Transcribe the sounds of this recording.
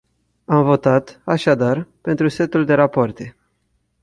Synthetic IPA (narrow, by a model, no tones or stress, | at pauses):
amvo̞t̪at̪aʃad̪arpe̞nt̪ɾuse̞t̪uld̪e̞ɾapoart̪e̞